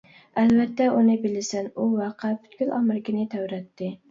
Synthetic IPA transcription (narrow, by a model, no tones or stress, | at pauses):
ælvæt̪ːɛʔunɪbɪlɪsɪnuwɑqʰɑpʰy̥t̪̚kʲylɑ̰mɾɪkʲʰɪnɪt̪ʰæwɾɛt̪ʰːɪ